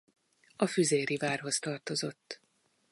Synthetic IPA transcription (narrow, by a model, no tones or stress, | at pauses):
ɒfyzeːɾivaːrɦo̞st̪ɒrt̪o̞zo̞t̪ː